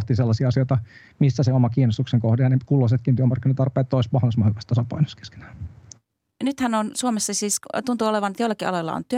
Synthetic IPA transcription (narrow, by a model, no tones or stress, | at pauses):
t̪iselːɑsiɑɑsioit̪ɑ | misːæseomɑkiːnost̪ukseŋkohdeɑnekulːos̬et̪kint̪yøæmɑrkːinɑt̪ɑrpˑeːt̪ːoˑismɑhɑsmɑhkːɑ̥st̪ɑsɑpɑ̰ino̥ske̥ske̥næː | nyt̪hænonsuomesːɑsiːst̪unt̪uoleʋɑnet̪joilɑkiɑ̰lojlːɑ̰o̰nt̪yø